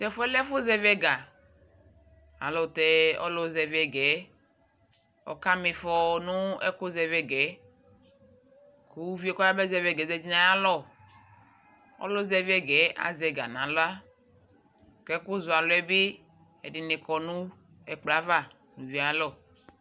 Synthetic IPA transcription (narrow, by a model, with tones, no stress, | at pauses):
t̪ɛ˦˨fɛ˦lɛ˦fo˦zɛ˦vɛ˦ɡa˨ | a̰˨lɔ˨t̪ɛ˦ɔ̰˦lɔ˦zɛ˨vɛ˨ɡɛ˨˦ | ɔ̰˨ka˦mi˨fɔ˨nũ˦ɛ̰˦ko˦zɛ˨vɛ˦ɡɛ˨˦ | ku˦vi˦ɛ˦kɔ˦ja˦bɛ˦zɛ˨vɛ˦ɡɛ˨zɛ˦d͡ʒi˦nã˨ja˦lɔ˦˨ | ɔ̰˦lɔ˦zɛ˨vi˦ɛ˦ɡɛ˨˦a̰˨zɛ˨ɡa̰˨nã˨˦lɔ˦a˦ | kɛ˦kʊ˦zu˨a˨lɔ˦ɛ˦bɪ˦ | ɛ̰˨dɪ˨ne˨kɔ˨nũ˦ | ɛ˨k͡pla˨˦va˦˨ | nũ˨vi˨˦a˨˦lɔ˦˨